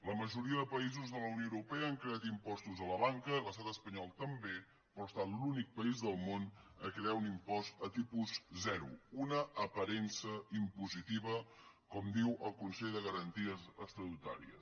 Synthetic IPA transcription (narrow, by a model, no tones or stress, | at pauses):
ləməʒuɾiəðəpəizuzðələwnjoəuɾupɛəaŋkɾeat̪impɔst̪uzələβaŋkələst̪at̪əspəɲɔlˠt̪əmbe | pɾɔst̪at̪lunik̚pəizðəlˠmonəkɾeaunimpɔst̪ət̪ipuzzɛɾṵunəʔːpəɾɛnsəimpuzit̪iβəkɔmd̪iwʔəlˠkunsɛʎðəɣəɾənt̪iəzəkst̪ɾəut̪a̰ɾḭə̰s